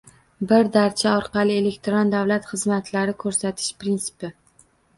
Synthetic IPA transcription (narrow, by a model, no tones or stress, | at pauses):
bɪɾd̪aɾt͡ʃʰaɒɾqɑlˠɪe̞le̞kt̪ɾond̪avlat̪χɨzmat̪ʰlaɾɪkʰɵɾsat̪ʰɪ̥ʃpɾinsɪ̥pɪ